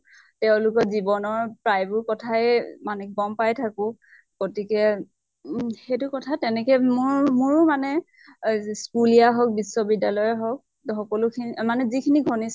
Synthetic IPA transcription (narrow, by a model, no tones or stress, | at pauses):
tɛʊ̃lʊkɔzibɔnɔɹpɹajbʊɹkɔtʰajɛmanɛbɔmpajtʰakʊ̃ | ɡ̥otikɛ | xejtʊkɔtʰatɛnɛkɛmʊɹmʊɹmanɛ | skulijaɦɔk̚bisːɔbidalɔjaɦɔk̚ | xɔkɔlʊkʰinimanɛzikʰiniɡʱɔnis